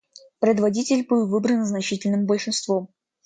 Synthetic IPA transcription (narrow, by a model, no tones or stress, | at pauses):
pɾʲɪd̪vɐdʲitʲɪlʲbɨlˠvɨbɾənznɐt͡ɕitʲɪlʲnɨmbəlʲʂɨnst̪vom